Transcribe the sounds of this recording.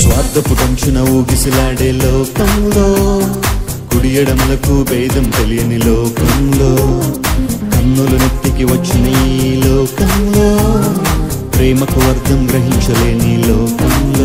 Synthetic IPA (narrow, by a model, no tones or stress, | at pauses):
sʋaːɾd̪ʱɐpuʈɐmt͡ʃɐnɐuːɡisilaːɽelɔːkɐŋloː | kuɽijɐɽɐmlɐkubeːd̪ɐmt̪ɐlijɐniloːkɐmŋloː | kɐnːulunɐt̪ːikiʋɐt͡ʃːiniloːkɐmloː | pɾeːmɐkuʋɐɾd̪ʱɐmɡɾɐɦiɲt͡ʃɐleːnilɔːkɐŋlo